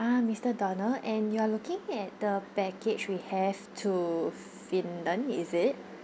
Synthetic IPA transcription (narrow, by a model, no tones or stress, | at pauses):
amistədɔnəlʔɛ̃njualukĩŋɛt̚dəpɛket͡ʃwihɛvtʰu | fĩnlə̃nḭzɪt̚